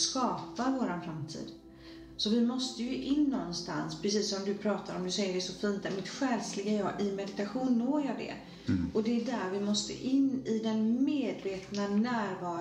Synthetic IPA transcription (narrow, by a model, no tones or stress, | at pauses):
skɑːpavoːɾanfɾamt̪ʰḭːd̪ | sɔvɪmɔst̪əjɵʔɪnːɔnːst̪a̰nspʰɾɛs̬iːsːɔmd̪ɵpʰɾɑːt̪ʰaɾɔmd̪ɵsɛjːəɖɛsɔfiːnt̪ɛmɪt̪ɧɛːlslɪɡajɑːɡɪmɛd̪ɪt̪aɧuːnːoːɾjɑːd̪ɛ̰ | ɔd̪ɛːɖæɾvɪmɔst̪ə̰ʔɪnːɪd̪ɛnmeːd̪veːt̪nanæːɾvɑːɾ